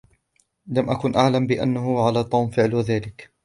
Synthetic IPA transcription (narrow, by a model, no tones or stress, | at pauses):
lamʔakʊnʔaʕlambɪʔa̰nːahʊʕalaːt̪ˤːuːmfɪʕlwaðaːlɪk